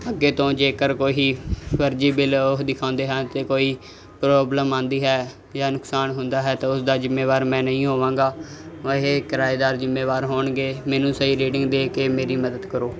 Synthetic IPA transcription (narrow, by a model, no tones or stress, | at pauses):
əɡeːt̪õːd͡ʒeːkəɾkoːɦiːpəɾd͡ʒiːbɪloɦd̪ɪkʰãːnd̪eːɦãːt̪eːkoːiː | pɾoːbləmãːnd̪iːɦɛː | jaːnʊksaːnɦʊnd̪aːɦɛːt̪aːʊsd̪aːzɪmːeːʋaːɾmɛ̃ːnəɦĩːɦoːʋãːŋɡaːʋəɦeːkɪɾaːiːd̪aːɾzɪmːeːʋaːɾɦoːɳɡeːmɛ̃ːnũːsəɦiːɾeːʈɪŋɡd̪eːkeːmeːɾiːməd̪əd̪kəɾoː